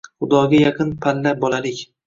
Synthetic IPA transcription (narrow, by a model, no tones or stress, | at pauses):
χʊd̪ɒɡʲajɑqʰɨnpʰallabɒlalɪkʲ